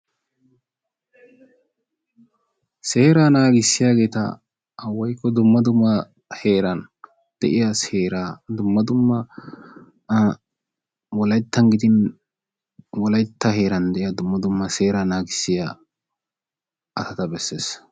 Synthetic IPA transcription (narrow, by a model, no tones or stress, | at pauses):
se̞ːɾaːnaːɡɪsːɪjaːɡe̞ːt̪ɐ̰ː | wːɐjkːɔd̪ʊmːɐd̪ʊmːɐ | heːɾɐn | d̪̥ɛʔɪjɐshe̞ːɾaːd̪ʊmːɐd̪ʊmːɐ | wɔlɐjt̪ːɐnɡɪd̪ɪn | wɔlɐjt̪ːɐhe̞ːɾɐnd̪ɛʔɪjɐd̪ʊmːɐd̪ʊmːɐse̞ːɾaːnaːɡɪsːɪja̰ | ʔɐsɐt̪ɐbɛsːeːs